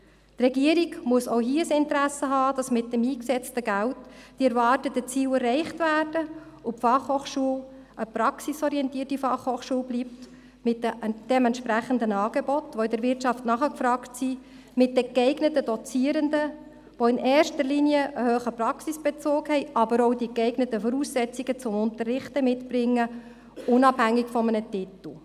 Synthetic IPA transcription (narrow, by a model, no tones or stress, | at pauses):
t̪rɛɡiəɾiɡmʊəsoʊɦiːəəsɪntəɾæsəɦɑːd̥ɑsmɪt̚dɛmiːksɛt͡stəɡæltd̥iɛɾvɑːrtətət͡siːwɛrːɛɪχtvæːrd̥ə | upfɑχhoːχʃuːəl | ʔəpɾɑksisɔɾiɛntiːərtifɑχhoːχʃuːlblipt | mɪt̚əd̥ɛmɛntʃpɾæχəndənɑːɡ̥ebɔt̪ʋoɪdəɾvʋɪɾtʃɑftnɑχəkfɾɑːktsi | mɪt̚dəkɛɪɡnətəd̥ɔt͡siəɾəndə | ʋoɪnɛːrʃtəliniəʔəhøːχəprɑksisb̥et͡soːkhɛɪʔɑbəɾɔʊdikɛɪɡnətəfɔɾuːsːɛt͡siɡ̥ət͡sʊmʊntərːɪχtəmɪtbɾɪŋːə | ʊnɑphæŋːɪkfɔmənətɪtl̩ˠ